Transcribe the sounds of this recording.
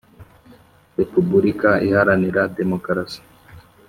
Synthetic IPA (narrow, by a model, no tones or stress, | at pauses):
ɾepubuɾikaihaɾaniɾademokɾasi̥